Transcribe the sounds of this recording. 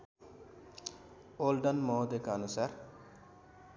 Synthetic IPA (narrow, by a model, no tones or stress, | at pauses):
olɖɐnmɔːd̪ekanusaɾ